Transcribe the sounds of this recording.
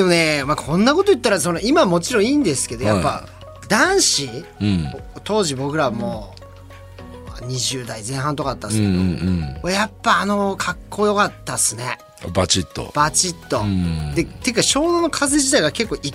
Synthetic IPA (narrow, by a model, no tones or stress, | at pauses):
d̪e̞mo̞ne̞makʰõ̞nːako̞t̪ojɯ̟t̪ːaɾaso̞noimamo̞t͡ɕiɾõiːnd̪e̞sɨ̥ke̞d̪o̞japːa | d̪ãɰ̃ɕi | t̪o̞ːʑibo̞kɯ̟ɾaβmoː | a̰ɲ̟iʑɨːd̪aizẽ̞ɰ̃ɦãnt̪o̞kaat̪ːasẽ | ajapːaːno̞kʰakʰːo̞ːjo̞kat̪ːasɨne̞ | bat͡ɕit̪ːo̰b̥at͡ɕit̪ːo̞d̪e̞t̪e̞kːaɕo̞ːnonokʰazeʑit̪aiɡake̞kːo̞ːʔi